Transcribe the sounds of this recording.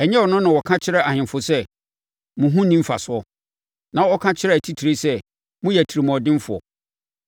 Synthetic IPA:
ɛ˨ɲɛ̃˦wɔ˨nʊ̃˦nʊ̃˨wɔ˨kʰã˦t͡ɕʰɪ˦ɾɛ˦a˨hɪ̃˨m˨fʊ˨sɛ˦ | mʊ̃˨ɦũ˦nĩ˦m̩˦fa̰˨sʊ˦ɔ˦ | nã˨ɔ˦kʰã˦t͡ɕʰɪ˦ɾɛ˦˨æ˨tʰi˦tʰi˨ɾe˦sɛ˦ | mũ˦jɛ˨tʰi˨ɾi˨m˨ɔ˨dɪ̃˦m˦fʊ˨ɔ̰˨

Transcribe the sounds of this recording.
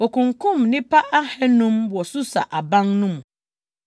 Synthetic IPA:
o˨kʰʊ̃˨ŋkʰũ˦˨mnɪ̃˦pʰa˦ʔa˦hɛ˦nũ˦mwɔ˨sʊ˦sa̰˨ʔa˨bã˦ŋnũ˦m̃˨

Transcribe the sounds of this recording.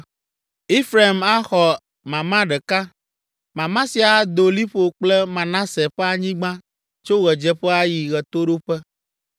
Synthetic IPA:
e˦fɾa˨i˨ma˦xɔ˨ | mã˨mã˦ɖɛ˨ka˦ | mã˨mã˦si˨a˨d̪o˨li˦ɸo˨k͡plɛ˦mã˨nã˦sɛ˨ɸɛ˦a˨ɲĩ˦ɡ͡bã˦ | t͡ʃo˦ɣɛ˨d͡ʒɛ˦ɸɛ˦a˦ji˨ɣɛ˨t̪o˦ɖo˦ɸɛ˦

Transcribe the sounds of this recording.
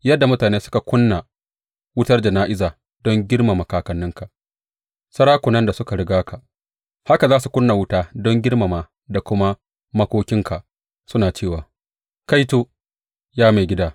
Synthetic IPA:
jɐ˦dːa˨mʊ˦taː˨neː˦sʊ̥˦ka˨kʷʊ˦nːa˨ | wʊ˦tɐ˦rd͡ʒɐ˨naː˦ʔɪ˦zaː˨ | dɔ˦ŋɡʲɪ˦ɽma˨mɐ˨kaː˨kɐ˨nːʊ˦ŋka˨ʔ | sɐ˦ɾaː˦kʷʊ˨nɐ˦nda˨sʊ˦ka˨ɽɪ˨ɡaː˦kʰa˨ʔ | ha˦ka˨zaː˦su˨kʷʊ˦nːa˨wʊ˦taː˦dɔ˦ŋɡʲɪ˦ɽma˨maː˨ | da˨kʷʊ˦ma˦ | mɐ˦kʷoː˦kʲɪ˦ŋkʰa˨ʔ | sʊ˦naː˨t͡ʃeː˦˨waː˨ | ka˦jtoː˦ | jaː˦ma˨ɡʲɪ˦daː˦

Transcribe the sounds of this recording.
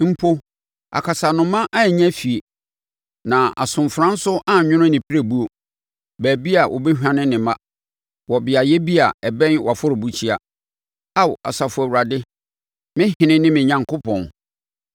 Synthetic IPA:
m̩˦pʰo˦ | a̰˨kʰa˨sa˨nʊ̃˨mã˦ʔa˦˨ɲã˦fi˨e˨ | nã˨a̰˨sʊ̃˨mfɾã˦n̩˦sʊ˦ʔa˦˨ɲʊ̃˦nʊ̃˦nɪ̃˨pʰi˦ɾæ˦˨bu˦o˨ | bæː˨bi˦a˨ʔɔ̰˨be˦hᶣã˦nɪ̃˦nɪ̃˨mã˦ | wɔ˨bɪ˨a˨jɛ˦bi˦a˨ɛ˨bɛ̃˦nwa˨fʊ˦ɾɪ˨bu˦t͡ɕʰi˦a˨ | a˦wa̰˨sa˨fʊ˨æ˨wu˨ɾa˨dɪ˦ | mɪ̃˦ɦɪ̃˨nɪ̃˦nɪ̃˦mɪ̃˨ɲã˨ŋkʰʊ˦pʰɔ̰̃˨n

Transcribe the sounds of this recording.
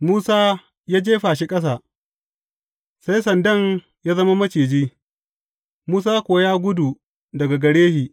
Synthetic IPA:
muː˦saː˦ | jaː˦d͡ʒeː˦ɸaː˨ʃ̬i˦kʼɐ˦s̬aː˨ | sa˦jsɐ˨ndɐ˦˨ŋ | jaː˦zɐ˦ma˦mɐ˦t͡ʃeː˨d͡ʒiː˦ | muː˦s̬aː˦kʷo˨˦jaː˦ɡʷʊ˦du˨ | dɐ˨ɡa˨ɡɐ˨ɽeː˦hiː˨

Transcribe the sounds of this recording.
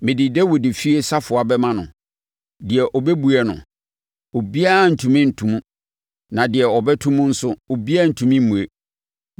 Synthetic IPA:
mɪ̃˨dɪ˨dɛ˦wɔ˨dɪ˨fi˦e˦sa˦fʊ˨a˨bɛ˦mã˦nʊ̃˨ | dɪ˨ɛ˨ʔɔ˨bɛ˦bu˨ɛ˨nʊ̰̃˨ | o˨bi˦a˦˨n̩˨tʰũ˨mɪ̃˦n̩˨tʰũ˨mũ˦ | nã˨dɪ˨ɛ˨ɔ˨bɛ˦tʰũ˦mũ˦n̩˦sʊ˦o˨bi˦a˦n̩˨tʰũ˨mɪ̃˦m̩˦mũ˨e˦

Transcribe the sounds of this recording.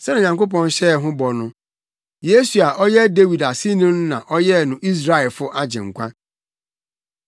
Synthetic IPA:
sɛ˦n˦˨ɲã˨ŋko˦p̬ɔ̃˦n˦ɕɛ˦˨ɦʊ̃˦bɔ˨nʊ̃˦ | je˦su˨a˨ʔɔ˦jɛ˦de˦wi˨da˨si˦nũ˦n˦nã˨ʔɔ˦jɛ˦˨nʊ̃˨ʔi˦s̬ɾa˦ɛ˨fʊ˦ʔa˦d͡ʑɪ̰̃˨ŋ̩˨kʷʰã̰˦

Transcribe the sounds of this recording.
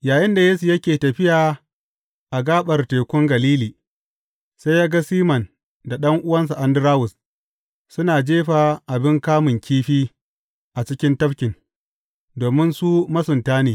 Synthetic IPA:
jaː˨jɪ˦nda˨jeː˦su˨jɐ˦kʲeː˨tɐ˨ɸɪ˦jaː˨ | ʔa˨ɡaː˦ɓɐ˨rteː˨kʷʊ˦ŋɡɐ˨liː˦liː˨ | sa˦jaː˦ɡa˦siː˦mɐ˨n | da˨ɗɐ˦ŋʔʊ˦wɐ˦ns̬a˨ʔa˨ndʊ˦ɾaː˦wʊ˨s | sʊ˦naː˨d͡ʒeː˦ɸaː˨ʔa˨bɪ˦ŋkaː˦mʊ˨ŋkʲʰiː˦ɸiː˦ | ʔa˨t͡ʃɪ˦kʲɪ˦ntɐ˦ɸkʲɪ˨n | doː˨mɪ˦nsuː˦mɐ˦sʊ˨ntaː˦neː˨

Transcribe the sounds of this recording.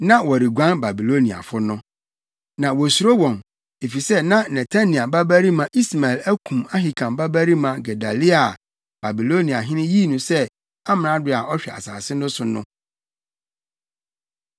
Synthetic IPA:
nã˦wɔ˨ɾi˨ɡʷã˦nba˨bi˨lo˦nĩ˨a̰˨fʊ˦nʊ̃˦ | nã˨wɔ˨su˨ɾo˦wɔ̃˨n | e˨fi˨sɛ˦nã˦nɛ˨tʰa˦nĩ˨a˨ba˦bæ˦ɾi˦mã˨ʔi˦sma˨ɛ˨læ˦kʰũ˨ma˦ɦi˨kʰã˨mba˦bæ˦ɾi˦mã˨ɡɛ˨da˨li˦a˨ | b̥a˨bi˨lo˦nĩ˨a˨ɦɪ̃˦nɪ̃˦ji˦˨nʊ̃˨sɛ˦ | a˦mɪ̃˨ã˦dʊ˦˨a˨ɔ˦ɕᶣɛ˨a̰˨saː˨sɪ˦nʊ̃˦sʊ˨nʊ̰̃˦

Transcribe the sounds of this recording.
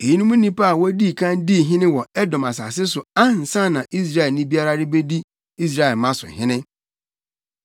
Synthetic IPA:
e˨ji˦nũ˦mũ˦nĩ˦pa˦a˨wɔ˦di˦˨kʰã˦ndi˦˨ɦɪ̃˦nɪ̃˦wɔ˨ɛ˦dɔ̃˨ma˨sa̰˨sɪ˦sʊ˨a˦n̩˨sã˦nã˨ʔi˦s̬ɾa˦˨ɛ˨nĩ˦bi˦a˦ɾa˦ɾɪ˦be˦di˦ | i˦s̬ɾa˦˨ɛ˨lmã˦sʊ̰˨ɦɪ̃˦nɪ̃˦

